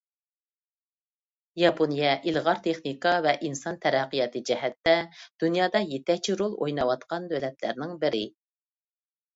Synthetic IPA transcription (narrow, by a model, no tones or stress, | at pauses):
jɑponjɛʔilʁɑɾt̪ʰeχnikɑvɛʔinsɑnt̪ʰɛɾɛqːijɑt̪ɨd͡ʒɛɦɛt̪ːɛd̪̥unjɑːd̪ɑjet̪ɛt͡ʃʰiɾolˠo̰jnɑwɑt̪qɑnd̪ølɛt̪læ̰ɾnɪŋbɪɾɪ